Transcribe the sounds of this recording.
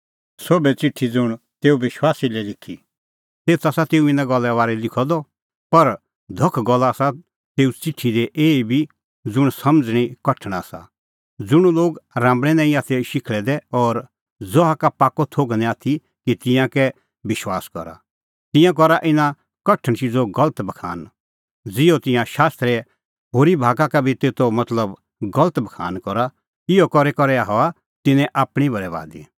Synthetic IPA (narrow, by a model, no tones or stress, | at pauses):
sobɛt͡sɪʈʰːid͡zʊɽ̃ | t̪eːuʋɪʃwaːsilɛlɪkʰːḭ | t̪eːt͡sʰaːsat̪eːuɪ̃nãɡɔlːɛʋaːɾɛlɪkʰɔd̪ɔ | pɐɾ | d̪ʱɔkʰɡɔlːasa | t̪eːut͡sɪʈʰːid̪ɛʔeːibʱi | d͡zʊɽ̃sɐmd͡zɽ̃ikɐʈʰɽ̃asa̰ | d͡zʊɽ̃uloːɡɾãːmbɽ̃ɛnãːĩaːt̪ʰɛʃɪkʰɭɛd̪ɛɔːɾ | d͡zɔɦakapaːkːot̪ʰoːɡnɛaːt̪ʰi | kit̪ɪ̃jãkɛ | ʋɪʃwaːskɔ̰ɾa̰ | t̪ɪ̃jãk̬ɔɾaʔɪnã | kɐʈʰːəɽ̃ʃid͡zoɡɐlət̪bɐkʰa̰ːn | d͡zɪot̪ɪ̃jãʃaːst̪ɾɛ | ɦoːɾibʱaːkakabʱit̪eːt̪omɐt̪ləb | ɡɐlət̪bɐkʰa̰ːnkɔɾa | ɪjokɔɾɛkɔɾɛaɦɔa | t̪ɪnɛ̃ʔaːpɽ̃ibʱɐɾɛʋa̰ːd̪i